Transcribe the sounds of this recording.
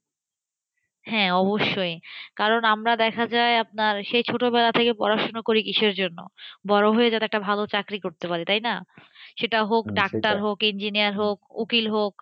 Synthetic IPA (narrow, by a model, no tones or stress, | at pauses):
hɛ̃ɔboʃːojkaɾonamɾad̪ɛkʰad͡ʑaeap̚naɾʃejt͡ɕʰoʈobɛlat̪ʰekepɔ̰ɾaʃonokoɾikiʃeɾd͡ʑonːo̰bɔɾoɦoed͡ʑat̪eɛkʈabʱalot͡ɕakɾikoɾt̪epaɾit̪ajnaʃeʈaɦokɖakʈaɾɦokind͡ʑinijaɾɦokṵkilɦok̚